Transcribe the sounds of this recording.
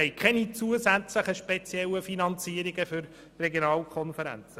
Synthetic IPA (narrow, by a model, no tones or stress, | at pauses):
ɛɪkʰχɛnit͡suəzæt͡sləχəʃpet͡sjɛləfinɑnt͡siːəɾiɡəfʏɾ | rɛɡjonɑːlkʰɔnfəɾæ̰nt͡sə